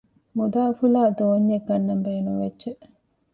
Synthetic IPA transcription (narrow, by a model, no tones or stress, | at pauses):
mud̪aːfulaːd̪oːɲːeɡɐnːɐmbeːnumʋedːʒe